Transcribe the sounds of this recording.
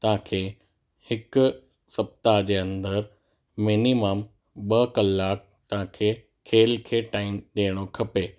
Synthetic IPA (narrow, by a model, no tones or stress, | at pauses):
t̪ɐɦãkʰeː | hɪk | sɐb̚t̪ad͡ʑeːɐ̃nd̪əɾ | miːnimaːm | ɓɐkɐlːaːk̚t̪ɐʋãkʰeː | kʰeːlkʰeːʈaːɪnɗeːɽ̃okʰɐpeː